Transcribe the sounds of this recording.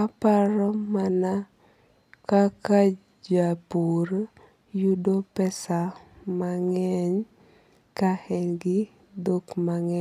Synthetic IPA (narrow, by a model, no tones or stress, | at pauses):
kapaɾɔmana | kaka | d͡ʒapuɾ | judopɛsamaŋɛɲ | kahɛɲɡɪ | dokmaŋɛ